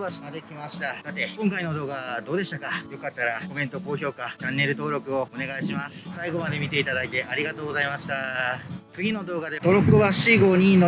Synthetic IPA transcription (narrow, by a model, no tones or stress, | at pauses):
baɕiŋad̪e̞kʲimaɕi̥t̪asat̪e̞kõ̞ŋkaino̞d̪o̞ːɡad̪o̞ːd̪e̞ɕit̪akajo̞kat̪ːaɾako̞mẽ̞nt̪o̞ko̞ːço̞ːkat͡ɕãnːe̞ɾɯ̟t̪o̞ːɾo̞kɯ̟o̞one̞ɡaiɕimasɨ̥saiɡo̞mad̪e̞mʲit̪e̞it̪ad̪ait̪e̞ʔaɾʲiɡat̪o̞ːɡo̞zaimaɕi̥t̪a | t͡sɨɡʲino̞d̪o̞ːɡad̪e̞t̪oɾo̞koβaɕiɡo̞ːɲ̟ino